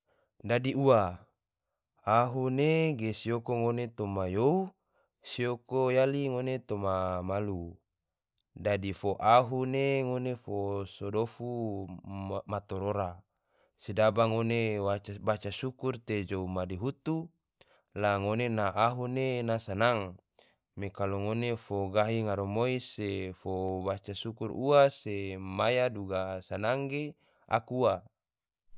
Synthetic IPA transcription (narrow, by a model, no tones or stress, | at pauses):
dadiua | aɦuneɡesiokoŋonet̪omajou | siokojaliŋonet̪omamalu | dadifoʔaɦuneŋonefosodofu | mat̪oɾoɾa | sidabaŋonewat͡ʃbat͡ʃasukurt̪ed͡ʒoumadiɦut̪u | laŋonenaʔaɦunenasanaŋ | mekaloŋonefoɡaɦiŋaɾomoisefobat͡ʃasukuɾuasemajaduɡasanaŋɡe | a̰kua